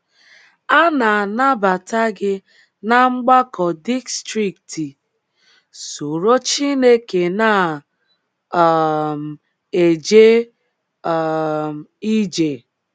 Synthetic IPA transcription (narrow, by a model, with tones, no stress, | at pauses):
a˦na˨a˨na˦ba˨ta˦ɡɪ˦ | na˦ŋ͡m̩˦ɡ͡ba˦kɔ˨di˦kstɾi˨kti˨ | su˨ɾo˦t͡ʃi˦ne˦ke˨na˦˨ | m̩˨ | e˨d͡ʒe˦˨ | i˦d͡ʒe˨